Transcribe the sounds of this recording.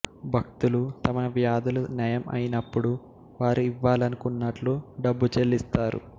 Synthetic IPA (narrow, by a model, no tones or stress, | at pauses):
bʱɐk̚t̪ulut̪ɐmɐʋjaːd̪ɐlunɐjɐmɐ̰jinɐpːuɽu | ʋaːɾuiʋːaːlɐnukunːɐʈluɖɐbːut͡ʃelːist̪aːɾṵ